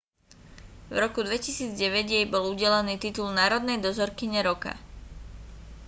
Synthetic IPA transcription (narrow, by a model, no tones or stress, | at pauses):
vɾɔkud̪ʋɛcisiːd͡zɟɛʋɛɟjɛjbɔluɟɛlɛniːt̪it̪ulnaːɾɔd̪nɛjd̪ɔzɔɾkiɲɛɾɔka̰